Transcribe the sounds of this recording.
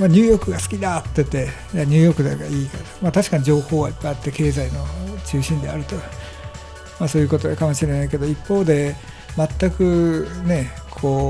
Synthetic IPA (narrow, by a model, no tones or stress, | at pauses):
maɲ̟ɨːjo̞kɯ̟ɡasɨ̥kʲid̪at̪ːet̪ːe̞ | maɲ̟ɨːjo̞kɯ̟d̪aɡaiːkat̪mat̪aɕi̥kaɲ̟id͡ʑo̞ːho̞ːβaipːajat̪ːe̞ke̞ːzaino̞t͡ɕɨːɕĩnd̪e̞aɾɯ̟t̪o̞ | maso̞ːjɯ̟ko̞t̪o̞ɡakamo̞ɕiɾe̞naike̞d̪o̞ipːo̞ːd̪e̞ | mat̪ːakɯ̟ne̞ | kʰo̞ː